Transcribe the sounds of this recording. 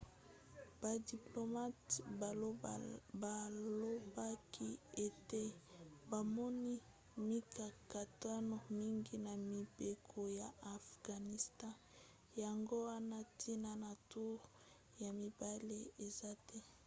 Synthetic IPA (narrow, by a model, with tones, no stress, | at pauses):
b̥a˨di˨plo˨ma˦tba˨˦ba˨lo˦ba˦kʰi˦e˨te˦ba˨mɔ˦ni˦ | mi˦ka˨ka˨ta˦no˨mi˦ŋɡi˦na˨mi˨be˨kʰo˨ja˨a˨fɡ̥a˨ni˨stã˦ | ja˨ŋɡo˦wa˦na˦tʰi˦na˦na˨tu˦ʁ | ja˨mi˨ba˦le˦e˨za˦tɛ˦